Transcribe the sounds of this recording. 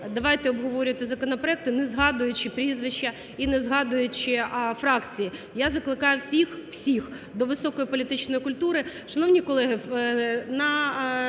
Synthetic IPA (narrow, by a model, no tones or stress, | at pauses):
d̪ɐʋɑjt̪ɛɔbɦɔʋɔɾʲʋɐt̪ɪzɐkɔnɔpɾɔɛk̚t̪ʊnɛzɦɑd̪ʊjʊt͡ʃɪpɾʲizʋɪʃt͡ʃːɐ | inɛzɦɑd̪ʊjʊt͡ʃɪfɾɑkt͡sʲiji | jazɐklˠɪkɑjʊsʲixw̥sʲix | d̪ɔʋɪsɔkɔjipɔlʲit̪ɪt͡ʃnɔjikʊlʲt̪uɾɪʃɐnɔʋnʲikɔlˠɛɦɪ | nɐ